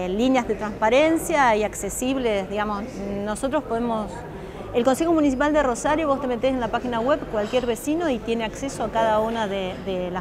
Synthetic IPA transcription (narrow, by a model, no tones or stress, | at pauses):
linjazðet̪ɾanspaɾensjaiaksesiβlesðiɣamo̞snosot̪ɾospo̞ðemo̞s | elko̞nse̞xo̞munis̬ipald̪ero̞saɾjoβo̞st̪eme̞t̪esenlapaxinaɣwe̞βkwalkjeɾβe̞sino̞it̪je̞neakse̞soakaðaunaðeðela